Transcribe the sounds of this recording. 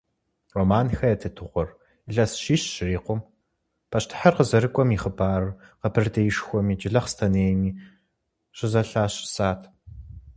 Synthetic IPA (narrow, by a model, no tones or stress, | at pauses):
romaːnxɐjɛtʰɨtʰɨʁʷɔr | ɮɐsʃiːʃɕɪriːqʷʊm | pʰɐʃtʰɨ̥ħarqəzɐɾɨkʷʼɔmiːχəbʰaːrɨqɐpʰɨrdɐjɪʃxʷɔmiːd͡ʒɪɮɐχstʰɐneːjmiː | ɕɨzɐɬaːɕsaːtʰ